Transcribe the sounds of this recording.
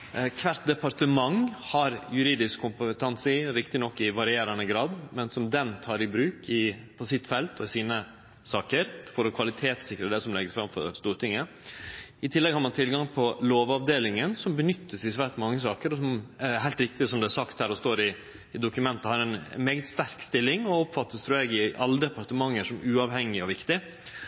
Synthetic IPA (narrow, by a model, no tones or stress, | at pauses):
kʰʋæɾt̪d̪ɛpɑɾt̪əmɑŋhɑɾjʉɾiːd̪ɪskkʰːʊmpət̪ʰɛnsɪɾɪkt̪ɪnɔkːɪʋɑɾɪeːɾɑnəɡɾɑːd̪mɛnsɔmd̪ɛnt̪ʰɑːɾɪbɾʉːkʰɪpʰɔsɪt̪ːfɛlt̪ʰɔɪsiːnə | sɑːkəɾfɔɾɔkʰʋɑlɪt̪ʰeːt̪sɪkɾəd̪ɛsɔmlɛɡəsfɾɑmfɔ̰ɾst̪uːɾt̪ɪŋːə | ɪt̪ʰɪlːɛɡhɑɾmɑnt̪ʰɪlɡɑŋpʰɔloːʋɑʋd̪eːlɪŋənsɔmbənʏt̪ʰːəsɪsʋæɾʈ̪mɑŋːəsɑːkəɾɔsɔmɦæɪlt̪ɾɪk̚t̪ɪsɔmd̪ɛæsɑkt̪hæːɾɔst̪oːɾɪː | d̪ʊkʉmɛnt̪əhɑɾɛnmeːɡt̪st̪æɾkst̪ɪlːɪŋɔɔpfɑt̪ːəst̪ʰɾuːɛɡɪʔɑlːəd̪ɛpɑɾt̪əmɑŋːəʂɔmʔʉːɑʋhɛŋːɪɔʋɪkt̪ɪ